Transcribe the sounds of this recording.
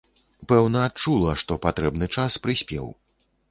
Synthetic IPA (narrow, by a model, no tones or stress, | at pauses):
pɛwnɐːt̪̚t͡ʂulˠɐʂt̪ɔpat̪ɾɛbnɨt͡ʂaspɾɨsʲpʲɛ̰w